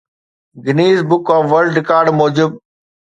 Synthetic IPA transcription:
ɡɪniːzbʊkɔ̃ːʋəlɖɾɪkaːɾɖmoːd͡ʑɪb̚

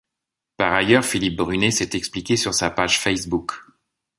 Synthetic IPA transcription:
paʁajœʁfilip̚bʁynesɛt̪ɛksplikʲesyʁsapaʒfɛsbuk

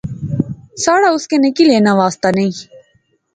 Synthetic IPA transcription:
saːɽaːʊskeːnekileːnaːʋaːst̪aːnɐĩː

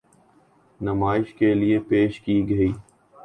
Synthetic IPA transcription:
nɐmaːɪʃkelɪepeːʃkiːɡəiː

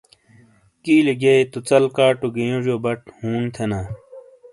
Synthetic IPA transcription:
kiːliɡeet̪ut͡sɐlkaːʈuɡijõʐjoːbɐʈhuːnt̪ʰenaː

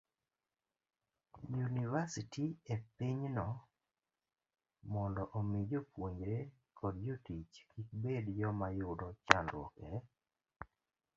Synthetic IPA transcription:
junivasitiepiɲnɔ | mɔndɔʔomɪd͡ʒopwoɲd͡ʒɾe | kʰɔdjotit͡ʃkik̚bedjɔmajʊdɔt͡ʃandwɔ̰kɛ

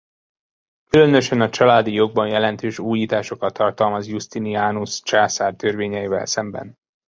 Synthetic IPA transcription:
kylø̞nøʃɛnɒt͡ʃɒlaːd̪ijo̞ɡ̚bɒnjɛlɛnt̪øːʃuːjiːt̪aːʃo̞kɒt̪ʰːɒrt̪ɒlmɒzjust̪iniaːnust͡ʃaːsaːrt̪ø̞rveːɲɛjivɛ̰lsɛmbɛ̰n

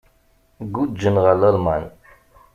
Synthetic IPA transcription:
ɡud͡ʒːənʁaləlman

